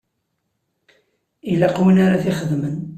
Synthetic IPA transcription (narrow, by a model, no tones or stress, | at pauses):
ilaqwinaɾaθiχəðmən